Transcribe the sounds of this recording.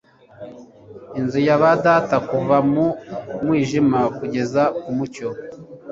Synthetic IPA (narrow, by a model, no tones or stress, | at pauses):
inzujaβadaːtakuvamumwiːʒimakuɟe̞zakumuco